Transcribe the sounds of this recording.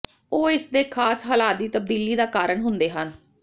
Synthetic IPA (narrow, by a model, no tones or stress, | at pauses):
oːɪsd̪eːkʰaːsɦaːlaːt̪̚d̪iːt̪əb̚d̪iːliːd̪aːkaːɾəɳɦʊnd̪eːɦən